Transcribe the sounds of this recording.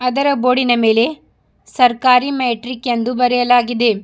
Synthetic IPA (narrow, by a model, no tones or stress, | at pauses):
ɐd̪ɐɾɐboːɽinɐme̞ːle̞ | sɐɾkaːɾimeːʈɾikjend̪ubɐɾɛjɐlaːɡid̪e̞